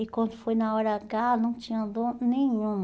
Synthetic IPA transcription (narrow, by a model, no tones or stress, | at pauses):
ikwɐ̃nd̪ʊfojnaɔɾaɡanɐ̃w̃t͡ʃĩɲɐ̃d̪onẽɲũm